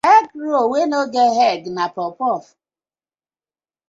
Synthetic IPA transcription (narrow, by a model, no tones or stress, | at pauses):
ɛɡɾowenoɡeɦɛɡnapɔpɔf